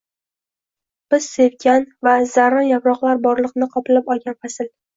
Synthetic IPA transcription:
b̥ɪz̥se̞vɡʲanvaz̥aɾɒnjapɾɒqlˠaɾbɒɾlˠɨqnɪqʰɒpɪlɪpɒlˠɡʲanfasɪl

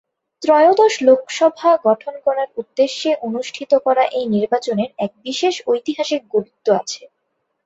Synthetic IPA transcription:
t̪ɾɔeod̪oʃlokʃɔbʱaɡɔʈʰonkɔɾaɾud̪ːeʃːeʔonuʃʈʰit̪okɔɾaʔejniɾbat͡ɕoneɾɛk̚biʃeʃojt̪iɦaʃik̚ɡoɾut̪ːoa̰t͡ɕʰe

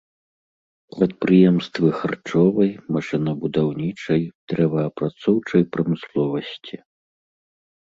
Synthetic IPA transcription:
pɾɐt̪̚pɾɨjɛmst̪vɨxart͡ʂɔvɐjmaʂɨnɐbud̪awnʲit͡ʂɐjd̪̥ɾɛvɐːpɾat̪sɔwt͡ʂɐjpɾɐmɨslˠɔvɐsʲt͡sʲi

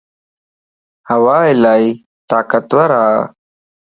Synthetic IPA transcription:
hɐwaːilaːi | t̪aːkɐt̪wɐɾaː

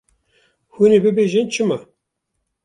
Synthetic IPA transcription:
hunebɨbeʒɪnt͡ʃʰɨmɑ

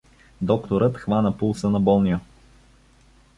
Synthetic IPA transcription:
d̪ɔkt̪oɾɤt̪xvanəpulˠsənɐbɔlˠnio

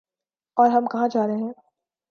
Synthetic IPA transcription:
ɔːɾɦɐmkɐɦãd͡ʒaːɾɦeɦɛ̃ː

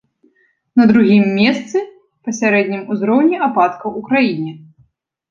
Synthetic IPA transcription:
nɐd̪ɾuɣʲimːʲɛst̪sɨ | pɐsʲaɾɛd̪ʲnʲimuzɾɔwnʲiʔapat̪kɐwukɾajinʲi

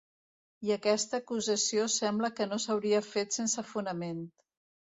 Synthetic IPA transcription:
iəkɛst̪əːkuzəsiosɛmbləkənosəwɾiəfet̪sensəfunəment̪

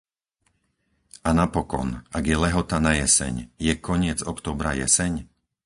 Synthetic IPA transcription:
anapɔkɔ̰naɡjɛlɛɦɔt̪anajɛsɛ̰ɲjɛkʰɔɲɪɛd͡zɔkt̪ɔːbɾa̰jɛ̰sɛɲ

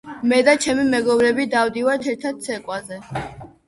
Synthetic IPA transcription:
mɛd̪at͡ʃʰɛmimɛɡɔbɾɛbid̪avd̪ivaɾt̪ʰɛɾt̪ʰad̪̚sʰɛkʼwazɛ

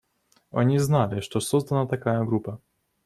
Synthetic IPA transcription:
ɐ̰nʲiznalʲɪʂt̪ɔsɔzd̪ɐnat̪akajɐɡɾupɐ

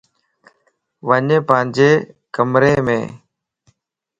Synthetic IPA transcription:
ʋəɲẽːpəɦɪ̃ɲd͡ʒeː | kəmɾeːmḛ̃ː

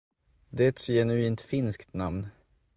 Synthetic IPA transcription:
d̪ɛɛt̪sɔjɛnʉiːnt̪fɪnskt̪namn

